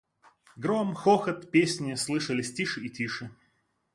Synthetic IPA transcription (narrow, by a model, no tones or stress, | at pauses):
ɡɾomxoxət̪pʲesʲnʲɪslˠɨʂəlʲɪsʲtʲiʂɨitʲiʂɨ